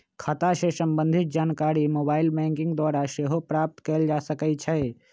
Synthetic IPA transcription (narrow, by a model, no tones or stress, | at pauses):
kʰat̪aʃesəmbə̃nd̪ʱɪt̪̚d͡ʒaːnkaːɾimoːbaːɪlbɛ̃ːŋkɪ̃ŋɡd̪waːɾaʃeɦopɾaːp̚t̪keːld͡ʒaːsəkɛt͡ʃʰɛ